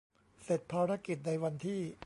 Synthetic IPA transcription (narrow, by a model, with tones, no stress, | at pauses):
se˨˩t̪̚pʰaː˧ɾa˦˥ki˨˩t̪̚na˧jwa˧nt̪ʰiː˥˩